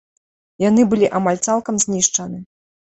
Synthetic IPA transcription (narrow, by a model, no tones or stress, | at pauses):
janɨbɨlʲiʔamalʲt̪salˠkɐmzʲnʲiʂt͡ʂɐnɨ